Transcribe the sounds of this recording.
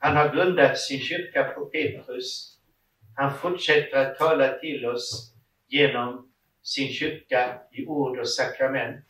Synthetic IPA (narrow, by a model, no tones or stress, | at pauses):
hanhaɾɡɾɵnd̪at̪sɪnɕʏɾkapʰɔpʰeːt̪ɾɵs | hanfʊʈʂɛt̪ːəɾat̪ʰːɑːlat̪ʰɪlɔs | jeːnɔm | sɪnɕʏɾkaɪʔuːɖɔsakɾamɛnt̪